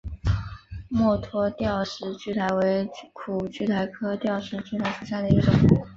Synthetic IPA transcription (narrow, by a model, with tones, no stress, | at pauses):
mwɔ˥˩t̪ʰwɔ˥t̪jɑ˥˩ʊʂɻ̩˧˥t͡ɕy˥˩t̪ʰa˧˥ɪwe˧˥ɪkʰu˨˩t͡ɕy˥˩t̪ʰa˧˥ɪkʰɤ˥t̪jɑ˥˩ʊʂɻ̩˧˥t͡ɕy˥˩t̪ʰa˧˥ɪʂu˥˩ɕja˥˩d̪ə˩i˥ʈ͡ʂʊ˨˩ŋ˧˥